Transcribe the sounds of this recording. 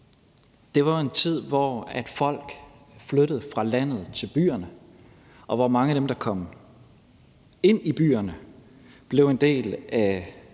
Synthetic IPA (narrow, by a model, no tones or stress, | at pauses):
d̥e̝ʋɑ̈e̝nt͡sʰið̞̰ˠʋɒæd̥fɒ̽l̰ɡ̥ | fløɾ̥əð̩ˠfʁɑ̈læn̰ð̞̩ˠt͡sʰe̝lb̥y̰ːɐnə | ʔɒ̽ʋɒmɑ̈ŋəæɾ̥emd̥ɑ̈kʰɒ̽m̰ | e̝n̰ib̥y̰ːɐnə | b̥le̝ʊe̝nd̥e̝̰ːlæ